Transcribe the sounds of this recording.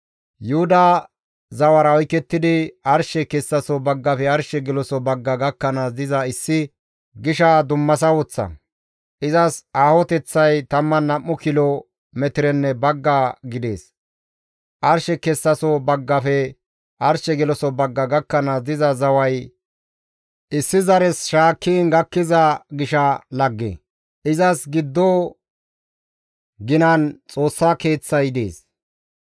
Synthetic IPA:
jʊhʊd̪ɐ | zɐwɐɾɐɔjkɛt̪ːɪd̪ɪɐɾʃɛkɛsːɐsɔbɐɡːɐfɛɐɾʃɛɡɛlɔsɔbɐɡːɐɡɐkːɐnasd̪ɪzɐɪsːɪ | ɡɪʃɐd̪ʊmːɐs̬ɐwɔt͡sːɐ̰ | ʔɪzɐsaːhɔt̪ɛt͡sːɐjt̪ɐmːɐnɐmːʊkɪlɔ | mɛt̪ɪɾɛnːɛbɐɡːaɡɪd̪e̞̰ːs | ʔɐɾʃɛkɛsːɐsɔbɐɡːɐfɛ | ʔɐɾʃɛɡɛlɔsɔbɐɡːɐɡɐkːɐnɐd̪ɪzɐzɐwɐj | ʔɪsːɪzɐɾɛsʃaːkʰːiːnɡɐkːɪzɐɡɪʃɐlɐɡːḛ | ʔɪzɐsɡɪd̪ːɔ | ɡɪnɐnt͡sʼo̞ːsːake̞ːt͡sːɐjd̪e̞̰ːs

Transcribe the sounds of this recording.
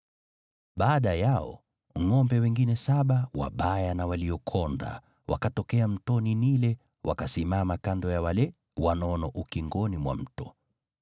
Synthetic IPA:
ɓaːɗajaɔ̰ | ŋɔmbɛwɛŋɡinɛsaɓawa̰ɓajanawaliɔkʰɔnda̰ | wʔa̰katɔkɛam̩tɔninilɛ | wʔa̰kasimamakandɔjawalɛ | wanɔnɔʔukiŋɡɔnimwa̰m̩tɔ

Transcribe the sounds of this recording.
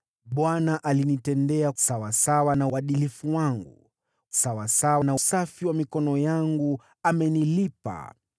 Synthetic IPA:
ɓwanaʔalinitɛndɛḁsawasawanauwaɗilifuwaŋɡṵ | sawasawanausafiwamikɔnɔjaŋɡu | amɛnilipa̰

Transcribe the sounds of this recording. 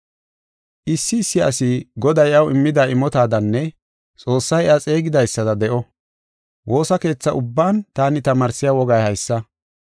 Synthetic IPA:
ʔɪsːɪːsːɪɐsɪɡɔd̪ɐjʔɐwɪmːɪd̪aːʔɪmɔt̪aːd̪ɐnːɛ | t͡sʼo̞ːsːɐjat͡sʼe̞ːɡɪd̪ɐjsːɐd̪ɐd̪ɛʔɔ | wʔo̞ːsɐke̞ːt͡sːɐʔʊbːaːnt̪aːnɪt̪ɐmaːɾsɪjaːwɔɡɐjhɐjsːɐ

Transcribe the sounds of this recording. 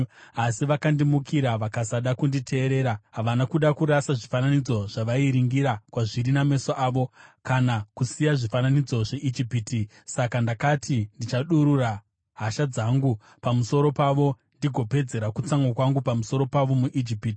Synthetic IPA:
asiʋakandimukiɾaʋakasaɗakunditʰe̞ːɾe̞ːɾaɦaʋanakuɗakuɾasaʐifananid͡zo̞ʐ̥aʋaiɾiŋɡiɾakwaʐiriname̞soʔaːʋo̞kanakusijaʐifananid͡zo̞ʐe̞ʔid͡ʒipiti | sakandakatʰindit͡ʃaɗuɾura | ɦaʃad͡zaŋɡu | pamuso̞ɾo̞paʋo̞ | ndiɡʱo̞pe̞d͡ze̞ɾakut͡saŋɡwakwaŋɡupamuso̞ɾo̞paʋo̞muʔid͡ʒipiti̥

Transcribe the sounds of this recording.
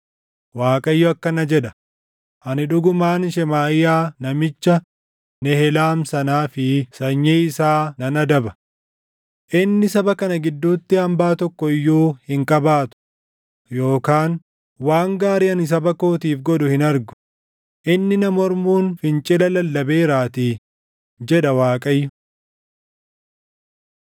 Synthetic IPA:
waːkʼɐjːɔɐkːɐnɐd͡ʒɛᶑɐ̥ | ʔɐnɪᶑʊɡʊmaːnʃɛmaːɪjaːnɐmɪt͡ʃːɐ | nɛhɛlaːmsɐnaːfɪsɐɲːeːɪsaːnɐnɐd̪ɐbɐ | ʔɪnːɪsɐbɐkɐnɐɡɪd̪ːuːt̪ːɪɐmbaːt̪ɔkːɔɪjːoːhɪŋkʼɐbaːt̪ʊ̥ | jo̞ːkaːn | waːŋɡaːɾɪɐnɪs̬ɐbɐko̞ːt̪iːfɡɔdʊhɪnɐɾɡʊ̥ | ʔɪnːɪnɐmɔɾmuːnfɪnt͡ʃʼɪlɐlɐlːɐbe̞ːɾaːt̪ɪ | d͡ʒɛᶑɐwaːkʼɐjːʊ

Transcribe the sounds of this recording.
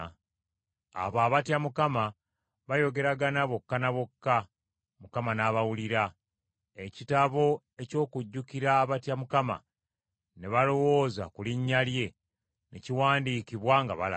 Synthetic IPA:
a̰βaːβatjamukama | βajo̞ɡe̞ɾaɡanaβo̞kːanaβo̞kːa | mukamanaβawuliɾa | e̞citaβo̞ | e̞co̞ːkuɟːukiɾaβatjamukama̰ | ne̞βalo̞wo̞ːza̰kuliɲːalje̞ | ne̞ciwaːndikiβwaŋɡa̰βala̰

